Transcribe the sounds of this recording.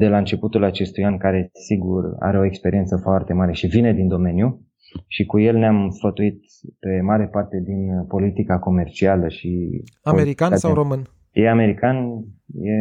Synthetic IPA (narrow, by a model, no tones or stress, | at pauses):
d̪e̞laɨnt͡ʃe̞put̪ulat͡ʃe̞st̪ujankaɾe̞siɡura̰ɾe̞o̞ekspe̞ɾiet̪səfoart̪e̞maɾe̞ʃivine̞d̪ind̪o̞me̞nju | ʃikuje̞lneamsfət̪uit̪̚ | pe̞maɾe̞part̪e̞d̪inpo̞lit̪ikako̞me̞rt͡ʃialəʃiaoeiɾiikanasawɾomɨn | jeame̞ɾikanje̞